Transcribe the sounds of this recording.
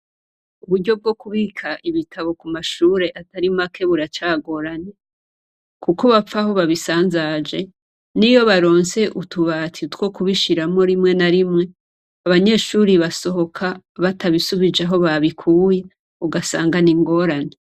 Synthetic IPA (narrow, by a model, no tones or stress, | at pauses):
uβudɟo̞b̚ɡo̞kuβikʰaʔiβitʰaβo̞kumaʃuːɾe̞ʔataɾimakʰe̞βuɾat͡ʃaːɡo̞ɾane | kukoβap͡faho̞βaβisaːnzad͡ʒe̞ | nijo̞βaɾo̞ːnse̞ʔutuβatʰitwo̞kuβiʃiɾamo̞ɾimŋe̞naɾimŋe̞ | aβaɲe̞ʃuːɾiβaso̞ɦo̞kʰa | βatʰaβisuβid͡ʒaɦo̞βaβikʰuːje | uɡasaːŋɡaniŋɡo̞ɾane